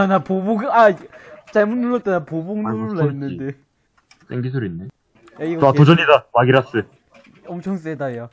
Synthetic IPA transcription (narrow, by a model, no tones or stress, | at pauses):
napoboɡat͡ɕaɭmunːuɭːʌt͈anapoboŋnuɾɭainːɯnde | s͈ʰeŋɡis̬ʰuɾinːe | aiɡoatod͡ʑʌɲidamaɡiɾas͈ɯ | ʌmt͡ɕʰʌŋs͈edajo